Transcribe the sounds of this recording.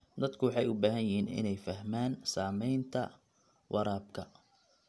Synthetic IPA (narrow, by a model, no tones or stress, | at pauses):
d̪ɐd̪kʰʊwɑħɑjʊbaːɦɐnjɪɦiːnɪ̰nɛjfɐɦmaːnsaːmɛjnt̪ʰɐ̰ | wʔɑɾaːb̚kʰɐ